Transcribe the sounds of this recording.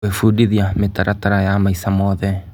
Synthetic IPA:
efudiðiametaɾʔataɾajamaisamɔðɛ

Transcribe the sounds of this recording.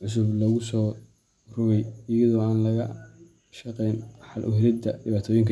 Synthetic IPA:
ʕʊs̬ʊblɔɣʊsɔː | rʊβɛjɪjɐðɔːaːnlɐɣɐ | ʃɐqɛjnħɑlʔʊ̰ɦɪɾɪd̪ɐɖɪβaːt̪ʰɔːjɪŋkʰ

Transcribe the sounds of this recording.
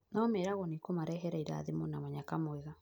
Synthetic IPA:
naɔmɛɾaɣɔnikomaɾɛɦɛɾaiɾa̰ðemonamaɲakamwɛɣa

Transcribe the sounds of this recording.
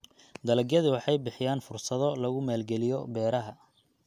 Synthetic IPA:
d̪ɐlɐɡjɐðiwɑħɑjbɪħɪjaːnfʊrsɐðɔlɐɣʊmaːlɡɛlɪjɔbɛːɾɐɦɐ

